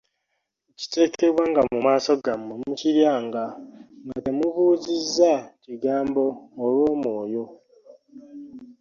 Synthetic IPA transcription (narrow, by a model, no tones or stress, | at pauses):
ci̥te̞ːke̞βwaŋɡamumaːso̞ɡamemuciɾjaːŋɡaŋɡate̞muβuːzizːaciɡaːmbo̞ːlwo̞ːmwo̞ːjo̞